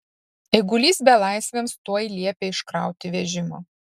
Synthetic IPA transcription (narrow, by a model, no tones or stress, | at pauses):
ɛɪɡʊlʲiːsbʲɛlˠɑˑɪsʲʋʲemst̪uɔjlʲiɛpʲeɪʃkɾɑˑʊt̪ʲɪʋʲɛʒʲɪmo̰ː